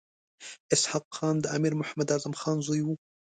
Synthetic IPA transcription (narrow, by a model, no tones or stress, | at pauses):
ʔɪsħɑqːɑːnd̪ʔamiːɾmʊħamːad̪aɾzamxaːnzˤʊju